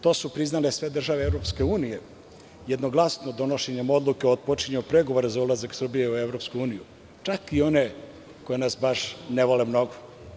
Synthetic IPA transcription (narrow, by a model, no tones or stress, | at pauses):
t̪o̞supɾiznalesʋe̞d̪r̩ʒaʋeevɾo̞pske̞uːnije | jed̪no̞ɡlˠasnod̪o̞noʃeɲemo̞d̪lˠukeod̪̚pot͡ʃiɲupɾeɡo̞ʋoɾezaulazaksr̩bijeueʋɾo̞pskuuːniju | t͡ʂakio̞ne | ko̞jenasbaʃneʋolemno̞ɡo